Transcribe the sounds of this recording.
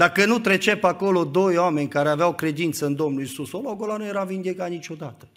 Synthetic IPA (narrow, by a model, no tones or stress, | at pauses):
d̪akənut̪ɾe̞t͡ʃepako̞lo̞d̪o̞joame̞nʲkaɾeaveawkɾe̞d̪int̪səɨnd̪o̞mnulisusoloɡolanuje̞ɾavind̪eɡat̪nit͡ʃʲo̞d̪at̪ə̥